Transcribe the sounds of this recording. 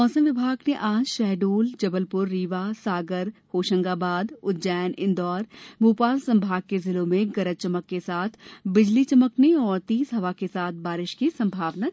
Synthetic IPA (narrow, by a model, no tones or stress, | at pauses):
mɔːsə̃mʋɪbʱaːɡneʔãːd͡ʒʃɛːɖuːld͡ʒɐbəlpʊɾːiːʋasaːɡəɾhoːʃə̃ŋɡabaːd̪ʊt̪̚d͡ʒɛːnɪ̃nd̪ɔːɾbuːpaːlsɐ̃mbʱaːɡ̚kezɪlõmẽɡɐɾəd͡ʒt͡ʃɐməkːesaːt̪ʰbɪd͡ʒlit͡ʃɐməkneɔːɾt̪iːsɦɐʋakesaːt̪̚ʰbaːɾɪʃkisɐ̃mbʱaːʋnət̪